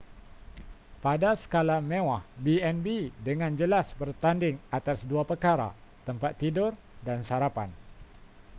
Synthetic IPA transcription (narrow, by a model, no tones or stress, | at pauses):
padasə̥kalamẽwahbiɛnbidəŋãnd͡ʒəlasbərt̪andɪŋat̪asduapərkaɾa̰t̪əmpat̪ːidʊr | dansaɾapan